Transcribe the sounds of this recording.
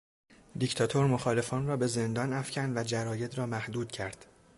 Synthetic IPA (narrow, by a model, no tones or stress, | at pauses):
d̪ict̪ʰɒːt̪ʰo̞ɾmoxɒːle̞fɒːnrɒːbe̞ze̞nd̪ɒːnæfcʰænd̪væd͡ʒæɾɒːje̞d̪rɒːmæhd̪uːd̪̥cʰæɾd̪̥